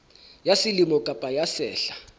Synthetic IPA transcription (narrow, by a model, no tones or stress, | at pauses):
jasilimɔkʼab̥ʱʼajasɛːɬḁ